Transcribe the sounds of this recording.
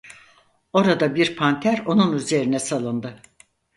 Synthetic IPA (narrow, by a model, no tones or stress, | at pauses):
o̞ɾad̪abiɾpʰant̪ʰæɾo̞nunyze̞ɾinɛsalˠɯnd̪ɯ